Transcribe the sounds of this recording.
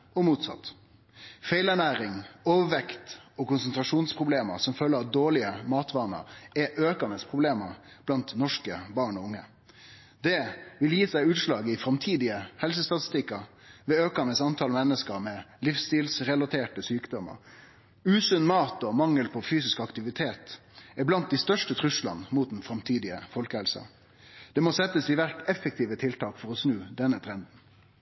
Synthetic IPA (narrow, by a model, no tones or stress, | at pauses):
ɔmuːt̪sɑ̰t̪ː | feɪlæɳæːɾɪŋɔːʋəʋɛkt̪ɔkʊnsənt̪ʁɑʂuːnspʰʁʊbleːmə̰ɾsɔmføːlːəɾɑt̪̚d̪oːɭɪəmɑːt̪ʰʋɑːnə̰ɾɛʔøːkɑnəspʰʁʊbleːməɾ | b̥lɑnt̪nɔʂkəbɑːʁɳɔʊŋːə | d̪ɛʋɪljiːsæɪʉːt̪ʃlɑːɡəɪfɾɑmt̪ʰiːd̪ɪəhɛls̬əst̪ɑt̪ɪ̥st̪ɪkːɑ | ʋɛøːkɑnəsɑnt̪ʰɑlmɛnːəskəɾmɛlifst̪iːlsɾɛlɑt̪ʰeːʈəsyːkd̪ɔmə̰ɾ | ʉːsʉnmɑːt̪ɔmɑŋːəlpʰɔfyːsɪskɑkt̪ɪʋɪt̪ʰeːt̪ | ɪblɑnt̪̚d̪ɪst̪œʂʈət̪ʰɾʉslɑ̰nəmuːt̪̚d̪nfɾɑmt̪ʰiːd̪ɪə̰fɔlkəhɛlsɑ̰ | d̪̥ɛmɔsɛt̪ːəsɪʋæɾʈɛfːək̚t̪ʰiːʋət̪ʰɪlt̪ʰɑːkfɔɾɔsnʉːd̪ɛnːət̪ʰɾɛnd̪n̩